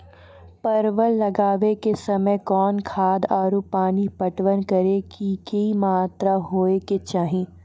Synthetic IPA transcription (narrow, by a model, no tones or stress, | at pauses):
pɐɾʋəlːɐɡaːʋekesɐməjkɔːnkʰaːd̪aːɾupaːnipɐʈʋənkɐɾekikɐimaːt̪ɾaɦoːeket͡ʃaːɦĩː